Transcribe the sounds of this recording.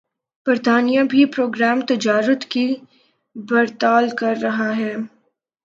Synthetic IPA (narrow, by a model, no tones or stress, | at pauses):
b̥ɐɾt̪aːnijãbʱipɾoːɡɾaːmt̪ɐd͡ʒaːɾət̪ki | bɐɾt̪aːlkɐɾːɐɦaɦɛː